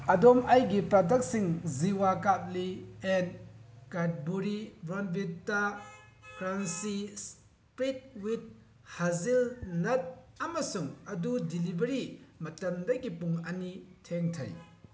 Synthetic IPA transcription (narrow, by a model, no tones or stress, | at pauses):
ɐdomajɡipɾadɐk̚siŋziwakat̚lienkat̚buɾibɾɔnbitːa | pʰɾansis | pɾit̚wit̚ | hazilnɐt̚ɐmɐsuŋɐdudilibɐɾimɐtɐmdɐɡipuŋɐnitʰeŋtʰɐ̰j